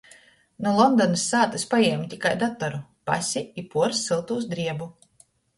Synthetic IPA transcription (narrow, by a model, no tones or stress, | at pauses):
nulˠɔnd̪ɔnɐsːaːt̪ɨspajɛmʲt̪ʲikajd̪at̪ɔɾupa̰sʲiipuɔɾsːilˠt̪uːs̬d̪ɾiɛbu